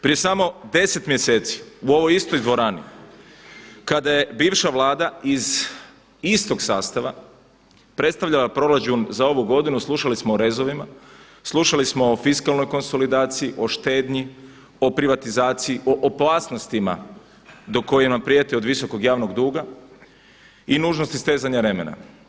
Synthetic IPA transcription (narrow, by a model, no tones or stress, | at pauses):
pɾije̞samo̞d̪e̞se̞t̪mjese̞ːt̪si̥uo̞ʋojist̪o̞jd̪ʋo̞ɾaːnḭ | kad̪aje̞biːʋʃaʋlˠaːd̪aiz | ist̪o̞ɡsaːst̪aʋa | pɾe̞t̪st̪aʋʎalapɾo̞ɾat͡ʃunzao̞ʋuɡo̞d̪inuslˠuʃalismoːɾe̞zo̞ʋima | slˠuʃalismo̞ːfiskalˠno̞jko̞nso̞lid̪aːt̪siiʔo̞ʃt̪e̞ːd̪ɲi | o̞pɾiʋat̪izaːt̪siiʔoʔopaːsno̞st̪ima̰ | d̪o̞ko̞jenampɾije̞t̪io̞d̪ʋiso̞koɡjaːʋno̞ɡd̪uːɡa | inuːʒnost̪ist̪eːzaɲaɾe̞mḛna̰